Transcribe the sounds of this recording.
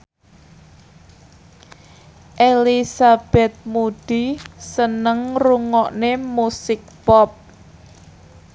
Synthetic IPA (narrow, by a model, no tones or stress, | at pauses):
ʔelisab̥ɛ̤t̪̚mud̪̥i̤sənəŋruŋɔʔnemusɪk̚pɔp̚